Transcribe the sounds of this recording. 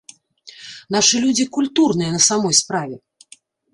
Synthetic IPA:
naʂɨlʲud͡zʲikulʲt̪urnɨjɛnɐsamɔjspɾavʲɛ

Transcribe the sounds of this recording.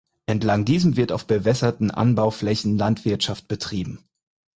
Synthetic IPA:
ʔɛntlaŋdiːzəmvɪɐta̰ʊfb̥əvɛsɐtn̩ʔa̰nbaʊflɛçn̩lantv̥ɪɐtʃaft̚b̥ətʁ̥iːbm̩

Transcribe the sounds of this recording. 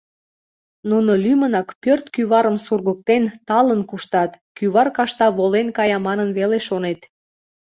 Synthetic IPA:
nunolymənɑkpørt̪kyβɑɾəmsurɣək̚t̪ent̪ɑlənkuʃt̪ɑt̪kyβɑrkɑʃt̪ɑβolenkɑjɑmɑnənβeleʃonet̪

